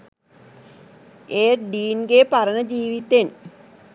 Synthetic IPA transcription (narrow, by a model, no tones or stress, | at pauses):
eːɾɖiːnɡepɐɾɐnɐd͡ʑiːʋit̪ːen